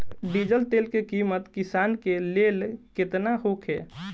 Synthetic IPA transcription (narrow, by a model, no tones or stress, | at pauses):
ɖid͡ʒəlʈ̪elkekimət̪kisaːnkelelket̪naɦokʰe